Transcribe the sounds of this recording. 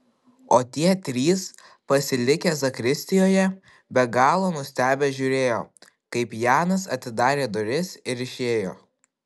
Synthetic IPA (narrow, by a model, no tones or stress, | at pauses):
oːt̪ʲiɛt̪ʲɾʲiːs | pɐsʲɪlʲɪkʲeːzɐkɾʲɪsʲt̪ʲɪjoːjɛ | bʲɛɡɑːlˠoːnʊsʲt̪ʲæːbʲɛʒʲʊːɾʲeːjoː | kɐɪpjɑːnɐsɐt̪ʲɪd̪ɑːɾʲeːd̪oɾʲɪsɪɾɪʃʲeːjo̰ː